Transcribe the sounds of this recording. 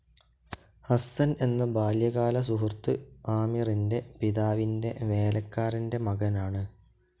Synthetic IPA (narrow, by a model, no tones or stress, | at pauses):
hɐsɐne̞nːɐbaːljɐɣaːlɐs̬uɦurt̪ɨaːmirinde̞piðaːʋinde̞ʋe̞ːlʔɐkːaːɾinde̞mɐɣɐnaːɳɨ